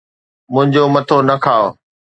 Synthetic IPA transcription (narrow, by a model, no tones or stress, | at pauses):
mʊ̃ɦɪ̃ɲd͡ʑomɐt̪ʰonɐkʰaːo